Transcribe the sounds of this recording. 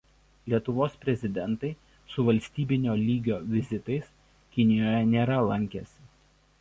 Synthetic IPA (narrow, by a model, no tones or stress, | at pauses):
lʲiɛt̪ʊʋoːspʲɾʲɛzʲɪd̪ʲɛnt̪ɐɪ | sʊʋɐlʲsʲt̪ʲiːbʲɪnʲoːlʲiːɡʲoːʋʲɪzʲɪt̪ɐɪs | kʲɪnʲɪjoːjɛnʲeːɾɐlˠɐŋʲkʲɛsʲɪ̥